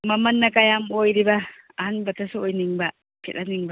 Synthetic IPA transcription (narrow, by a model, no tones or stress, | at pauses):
mɐmɐnːɐkajamojɾibɐː | hanbɐtʰɐsuojniŋbɐ | kʰetaniŋbɐ